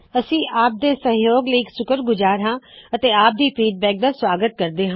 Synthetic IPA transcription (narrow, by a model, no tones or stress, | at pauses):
əsĩːʔaːp̚d̪eːsəɦjoːɡliiːksʊkəɾɡʊzaːɾɦãːət̪eːaːp̚d̪iːpʰiːɖ̚bɛːk̚d̪aːswaːɡət̪̚kəɾd̪eːɦãː